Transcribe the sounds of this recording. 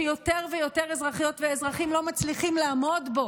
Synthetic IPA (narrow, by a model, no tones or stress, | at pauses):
jo̞teʁvejo̞te̞ʁezʁaχijo̞tveːzʁaχimlo̞mat͡sliχimlaamo̞dbo̞